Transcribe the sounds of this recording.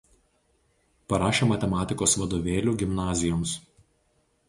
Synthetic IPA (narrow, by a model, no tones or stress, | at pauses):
pɐɾɑːʃʲeːmɐt̪ʲɛmɑːt̪ʲɪkoːsʋɐd̪oːʋʲeːlʲuːɡʲɪmnɑːzʲɪjoːms